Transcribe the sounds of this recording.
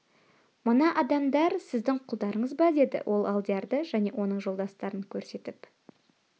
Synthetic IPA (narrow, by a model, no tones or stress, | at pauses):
mənɑʔɑd̪ɑmd̪ɑɾsɪzd̪ɪŋqʰʊlˠd̪ɑɾəɴəzbɑd̪e̞d̪ɪ̰wʔo̞lˠɑlˠd̪ijaɾd̪əʒæne̞wʔo̞nəɴʒo̞lˠd̪ɑst̪ɑɾəŋkʲʰɵɾse̞t̪ɪp